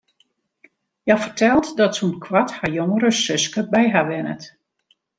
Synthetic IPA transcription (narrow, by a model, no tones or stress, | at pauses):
jafərtʰɛlˠtdɔtsunkʰwathajoŋəɾəsʏskəbɛjɦaʋɛnə̰t